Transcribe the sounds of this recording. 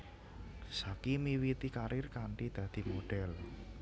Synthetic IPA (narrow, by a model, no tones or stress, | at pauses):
sakimiwit̪ikaɾɪrkaɳʈid̪̥ä̤d̪̥i̤moɖ̥ɛl